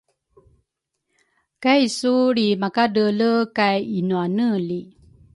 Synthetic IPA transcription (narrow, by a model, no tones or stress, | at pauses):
kajsuɾimakadələkajinuanəli